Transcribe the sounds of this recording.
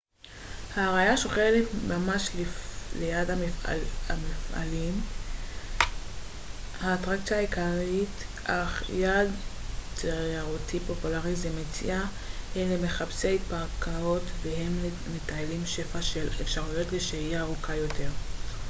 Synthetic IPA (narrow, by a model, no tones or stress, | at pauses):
haːʁajaʃoχeletmamaʃllejadhamamifʔa̰lim | haːtʁakt͡sjaːikaʁitʔaχjadteʁaʁutipo̞pulaʁizemet͡sḭʔa | eleme̞χapsejpaʁkʰao̞tvehe̞mle | metaelimʃe̞faʃelefʃaʁujo̞tleʃejaːʁukʰajo̞tʰe̞ʁ